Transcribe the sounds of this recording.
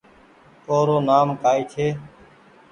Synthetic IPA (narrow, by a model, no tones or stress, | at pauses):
poːɾoːnaːmkaːiːt͡ʃʰeː